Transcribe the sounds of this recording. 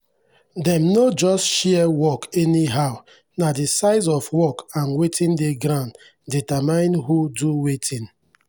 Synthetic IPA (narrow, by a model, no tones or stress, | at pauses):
dɛ̃mnod͡ʒɔstʃɛɛwɔkɛniɦaʊ | nadesaɪzɔfwɔkãnwetʰĩndeɡɾãn | ditamãɪ̃nɦuduwetʰĩn